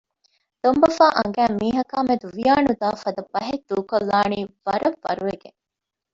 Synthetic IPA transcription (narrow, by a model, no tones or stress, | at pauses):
d̪̥ombɐfaːʔɐŋɡæːmiːɦɐkaːmed̪uʋijaːnud̪aːfɐd̪ɐbɐɦed̪uːkolːaːniːʋɐɾɐʋːɐ̰ɾuʋeɡḛŋ